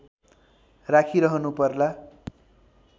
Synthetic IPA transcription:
rakʰiɾʌɦʌnupʌrla

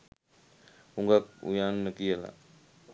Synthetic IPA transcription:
uŋɡak̚ṵjaːnːəkijəla̰

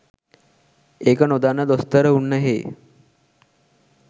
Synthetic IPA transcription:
eːkənod̪anːəd̪ost̪əɾəunːəɦe

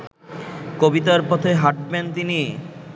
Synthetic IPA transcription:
kobit̪aɾpɔt̪ʰeɦaʈ̚bent̪ini

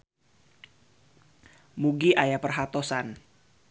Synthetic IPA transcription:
muɡiʔajapərɦat̪ɔsan

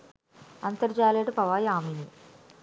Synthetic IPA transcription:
ɐnt̪ɐɾd͡ʒaːleʈpɐʋaːjaːmini

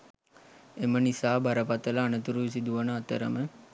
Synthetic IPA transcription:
emənisaːbɐɾɐpat̪əlɐːnət̪uɾuʋis̬id̪uʋɐnəat̪əɾə̰mə

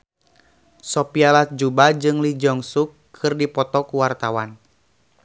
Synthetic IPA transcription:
sɔpialat̚d͡ʒubad͡ʒɨŋlid͡ʒɔŋsukʰːɨrdipɔt̪ɔkuwart̪awan

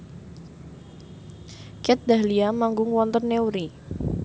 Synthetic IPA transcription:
kɛt̪̚d̪aliamaŋɡʊŋwɔnt̪ənːeuɾi

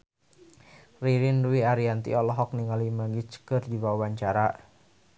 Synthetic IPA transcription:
riɾinduiaɾiant̪ḭɔlɔɦɔk̚niŋalimaɡit͡ʃkɨrdibawaɲt͡ʃaɾa

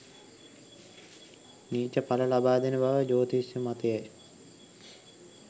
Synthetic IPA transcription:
niːt͡ʃəpaləlabaːd̪enəbaʋəd͡ʒoːt̪isjumat̪əjaj

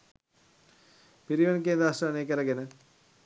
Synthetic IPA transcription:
piɾiʋɐnkeːnd̪ɾaːsɐneːkɐɾɐɡenə

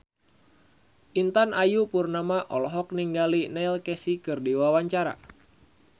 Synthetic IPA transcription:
ʔint̪anʔajupurnamaʔɔlɔɦɔk̚niŋɡalinɛilkɛsikɨrdiwawaɲt͡ʃaɾa̰

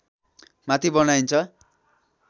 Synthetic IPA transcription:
mat̪ʰibʌnajnt͡sʰʌ

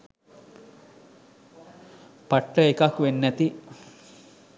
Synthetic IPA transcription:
paʈːəekakʋenːæt̪i

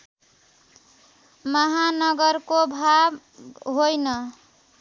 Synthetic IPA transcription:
mʌɦanʌɡʌɾkobʱab | ɦojnʌ

